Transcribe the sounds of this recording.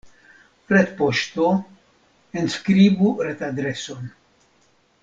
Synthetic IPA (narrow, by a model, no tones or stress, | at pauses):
ɾɛt̪pɔʃt̪o | ɪnskɾiːbuɾɛt̪ad̪ɾɛsɔn